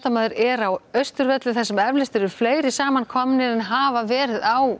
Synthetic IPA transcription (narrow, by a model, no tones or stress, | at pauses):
t̪amaðʏɾɛɾawœɥst̪ʏɾvɛt̪lɪθɛsːɛmɛvlɪst̪ɪɾʏɾ̥fleːjɾɪsaːmankʰɔmnɪɛnɦaːvavɛːɾɪðaw